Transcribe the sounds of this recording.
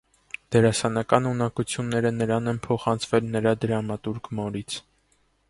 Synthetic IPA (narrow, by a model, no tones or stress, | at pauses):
d̪̥ɛɾɑsɑnɑkɑnunɑkut͡sʰjunːɛɾənəɾɑnɛnpʰɔχɑnt͡sʰvɛlnəɾɑd̪əɾɑmɑt̪uɾkmɔɾit͡sʰ